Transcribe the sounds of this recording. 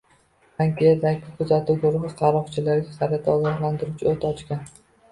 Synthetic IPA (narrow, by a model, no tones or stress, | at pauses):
aŋkʲʰijad̪akʲɪkʲʰʊzat̪ʰuɡʊɾʊχɨqʰɑɾɒχt͡ʃʰɪlaɾɡʲasaɾat̪ʰaɒɡɒχlˠant̪ɪɾʊt͡ʃʰɪot̪ʰɒt͡ʃkʲan